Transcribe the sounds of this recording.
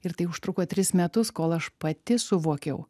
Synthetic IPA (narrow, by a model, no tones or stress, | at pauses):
ɪɾt̪ɐɪʊʃt̪ɾʊkoːt̪ʲɾʲɪsmʲɛt̪ʊskoːlˠɐʃpɐt̪ʲɪsʊʋuɔkʲɛʊ